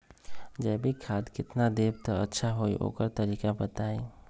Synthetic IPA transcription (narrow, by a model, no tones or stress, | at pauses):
d͡ʒɛbʱikʰaːd̪kɪt̪nad̪eːb̚t̪əətːʃʰaɦoiʔo̰kəɾt̪əɾiːkabət̪aːi